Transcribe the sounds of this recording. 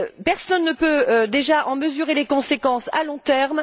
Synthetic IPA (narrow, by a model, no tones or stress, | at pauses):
pɛʁsɔnːəpød̪eʒaʔɑ̃məzyʁelekɔ̃sekɑ̃sa̰lɔ̃t̪ɛʁm